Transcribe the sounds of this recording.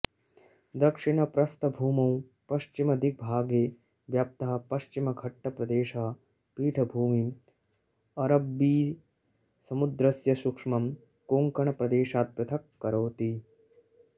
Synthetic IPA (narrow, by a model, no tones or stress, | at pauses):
d̪ɐkʂiɳɐpɾɐst̪ɐbʱuːmɐw | pɐʃt͡ʃimɐd̪ʱik̚bʱaːɡeː | ʋjaːp̚t̪ɐɦɐ̆pɐʃt͡ʃimɐɡʱɐʈːɐpɾɐd̪eːʃɐɦɐ | piːʈʰɐbʱuːmi | ɐɾɐbːiː | sɐmud̪ɾɐsjɐsukʂmɐm | koːŋkɐɳɐpɾɐd̪eːʃaːt̪̚pjɐt̪ʰɐkːɐɾoːt̪i